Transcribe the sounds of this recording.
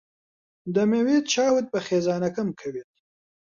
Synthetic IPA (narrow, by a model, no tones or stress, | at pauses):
d̪əmewet̪̚t͡ʃɑːwet̪̚pəxezɑːnɐkamkʰawit̪̚